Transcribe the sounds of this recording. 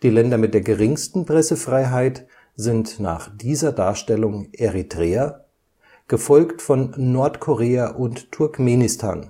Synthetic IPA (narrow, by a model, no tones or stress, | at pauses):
d̥iːlɛndɐmɪt̚d̥eːɐɡəʁɪŋstn̩pʁ̥ɛsəfʁ̥aɪɦaɪt | z̥ɪntna̰ːχd̥iːzɐdaːɐʃtɛlʊŋʔeʁitʁ̥eːɐ | ɡ̥əfɔlktfɔnːɔɐtkʰɔʁeːaʔʊntʰːʊɐkmeːnɪstʰa̰ːn